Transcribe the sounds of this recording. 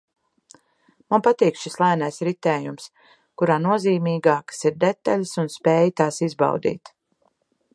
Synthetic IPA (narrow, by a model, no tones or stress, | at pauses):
manpat̪iːkʃislˠajnajsɾit̪ɛːjums | kuɾaːnuɔziːmiːɡaːkḁsiɾd̪et̪ːaʎʲsunspeːjt̪aːsizba̰wd̪ḭːt̪